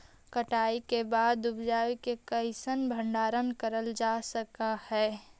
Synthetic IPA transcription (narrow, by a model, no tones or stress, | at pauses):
kəʈaːikebaːd̪ʊbd͡ʒaːʋikekəɪsənbʱə̃ɳɖaːɾənkəɾəld͡ʒasəkahɛː